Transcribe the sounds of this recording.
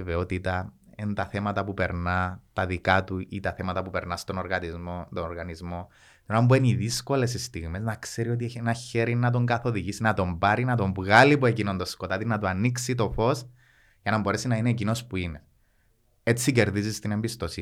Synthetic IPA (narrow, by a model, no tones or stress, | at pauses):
veot̪it̪ɐent̪ɐθe̞mɐt̪ɐpupe̞ɾnɐt̪ɐðikɐt̪uʔḭt̪ɐθe̞mɐt̪ɐpupe̞ɾnɐst̪o̞noɾɣɐt̪izmot̪onoɾɣɐnizmo̞ | t̪inoɐmbueniðisko̞le̞sist̪iɣme̞znɐkse̞ɾio̞t̪̬ienɐçe̞ɾinɐt̪̬o̞ŋɡɐθo̞ðiʝisinɐt̪o̞ɱbɐɾinɐt̪o̞ɱvɣɐlipue̞cinond̪osko̞t̪ɐt̪inɐt̪uɐnːiksit̪o̞fo̞s | ʝɐnɐmbo̞ɾe̞sinɐineːc̬ino̞spuine | e̞t͡sːice̞ɾðizist̪ine̞mbist̪o̞si